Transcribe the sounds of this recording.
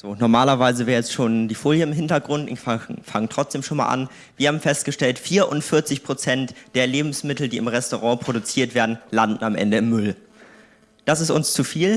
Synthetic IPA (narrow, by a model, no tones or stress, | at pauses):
z̥oːnɔɐmaːlɐvaɪzəveːɐɛt͡stʃoːndiːfoːljəɪmɦɪntɐɡʁʊntɪ̰faŋəntʁ̥ɔt͡sd̥eːmʃoːnma̰ːlʔa̰n | viːɐhaːbm̩fɛst̚ɡ̥əʃtɛltfiːɐʔʊntfɪɐt͡sɪçpʁ̥ot͡sɛntd̥eːɐleːbm̩smɪtl̩diːɪmʁɛstoʁɑ̃ːpʁ̥odut͡siːɐtv̥eːɐdn̩landn̩amʔɛ̰ndəɪmːʏl | d̥asɪstʊ̰nst͡sufiːl